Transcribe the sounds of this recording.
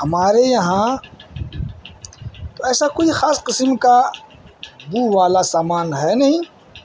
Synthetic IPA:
ɦɐmaːɾejɐɦã | t̪oɛːsakoːixaːsqɪsəmka | buːʋaːlasaːmaːnɦɛnɐɦĩː

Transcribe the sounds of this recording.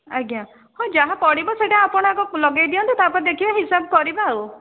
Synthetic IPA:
aɡjã | hɔ̃d͡ʒaɦapɔɽibɔseʈaapɔɽ̃akɔlɔɡajd̪iɔnt̪it̪apaɾed̪ekʰibaɦisabkɔɾibau

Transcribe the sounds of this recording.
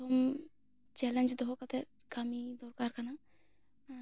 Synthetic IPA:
ɔm | t͡ʃɛlɛnd͡ʒd̪ɔɦɔkat̪ʰɛ | kʰamid̪ɔɾkaɾkana

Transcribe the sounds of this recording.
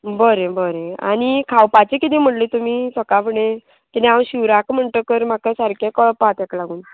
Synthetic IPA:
bəɾebəɾẽa̰ñikʰawpat͡ɕekit̪ĩːm̤əʈlit̪umiːsəkapəɽe | kid̪ẽawɕiʋɾakm̤əɳt̪əkəɾm̤akasaɾkekəɭpat̪ɛklaɡuːn

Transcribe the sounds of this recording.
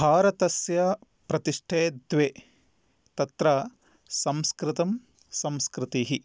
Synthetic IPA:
bʱaːɾɐt̪ɐsjɐ | pɾɐt̪iʂʈʰeːd̪ʋeː | t̪ɐt̪ɾɐ | sɐmskɾɪt̪ɐm | sɐmskɾɪt̪iːɦi

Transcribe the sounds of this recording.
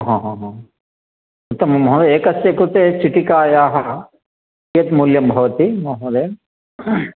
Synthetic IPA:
ɦɔ̃ːɦɔ̃ːɦɔ̃ː | ut̪ːɐmɐmɦũd̪eeːkɐsjekɾut̪eːt͡ʃiʈikaːjaːɦɐ | et̪muːljɐmbʱɐʋɐt̪imɐɦɐ̃ːd̪eː

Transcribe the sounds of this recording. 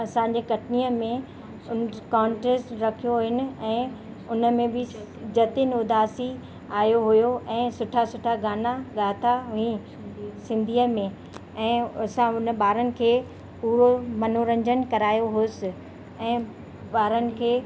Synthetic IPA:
ɐsãːɲ̆d͡ʑekɐʈʰniːəmẽ | ʊnkãːɳʈɾesʈɾɐkʰijoɦʊɦɪnɪ̆ɛ̃ː | ʊnə̆mẽbɪ | d͡ʑɐt̪ɪnʊd̪ʱaːsi | aːjoɦʊjoʔɛ̃ːsʊʈʰasʊʈʰaɡaːnaɠaːt̪ʰaɦʊĩ | sɪ̃nd̪ʱiːəmẽ | ɛ̃ːɐsãʊnəɓaːɾənɪ̆kʰeː | puːɾomɐnoɾɐ̃ɲd͡ʑənkɐɾaːjoɦoːsɪ | ɛ̃ː | ɓaːɾənɪ̆kʰeː

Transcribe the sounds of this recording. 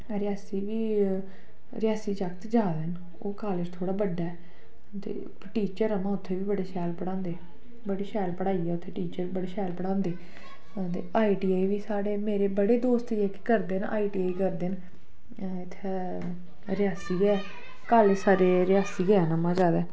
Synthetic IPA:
ɾɪjaːsiːʋiː | ɾɪjaːsiːd͡ʒəkt̪d͡ʒaːd̪en | o̰ːkaːlɪd͡ʒt̪ʰoːɽaːbəɖːaːɛ | t̪ḛː | ʈiːt͡ʃəɾəmãːʊt̪ʰːeːʋiːbəɽeːʃɛːlpəɽãːnd̪eː | bəɽeːʃɛːlpəɽaːiːɛːʊt̪ʰːeːʈiːt͡ʃəɾiːbəɽeːʃɛːlpəɽãːnd̪eː | t̪ḛːaːiːʈiːaːiːʋiːsaːɽeːmeːɾeːbəɽeːd̪oːst̪ɪːɛːkɪ̥kəɾd̪eːna̰ːiːʈiːaːiːkəɾd̪eːn | ɪt̪ʰːe | ɾɪjaːsiːɡɛɛː | kaːled͡ʒsaːɾeːɾɪjaːsiːɡɛːɛːnəmãːd͡ʒaːd̪ɛː

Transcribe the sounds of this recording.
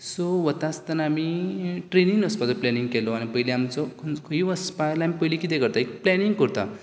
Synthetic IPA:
soʋət̪ast̪ənamiːʈɾeniŋɡəspat̪ɔplɛniŋɡkɛlɔañipəjleamt͡sɔkʰonkʰəiʋəspajlamipəjlikit̪ekəɾt̪aekplɛniŋɡkəɾt̪a̰

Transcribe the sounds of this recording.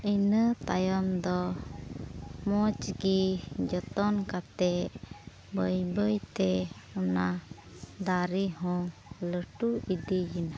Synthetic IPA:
ənət̪ajɔnd̪ɔ | mɔt͡ʃɡid͡ʒɔt̪ɔnkat̪ɛʔ | bəjbəjt̪ɛɔna | d̪aɾiɦɔ̃ləʈuid̪ijina

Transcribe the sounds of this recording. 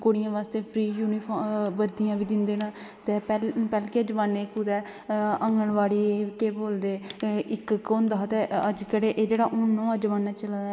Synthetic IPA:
koːɽɪjãːʋaːst̪eːpʰɾiːjuːnɪpʰɔbəɾd̪ɪjãːʋiːd̪ɪnd̪eːnãː | t̪eːpɛpɛːlkeːəd͡ʒʋaːnːeːkʊd̪ɛː | əŋɡəɳʋaːɽiːk̪eːboːld̪eːʔɪkkoːnd̪aːt̪eːəd͡ʒkəɽeːʔeːd͡ʒeːɽaːʔʊnːõːəd͡ʒʋaːnːaːt͡ʃəldaɛ

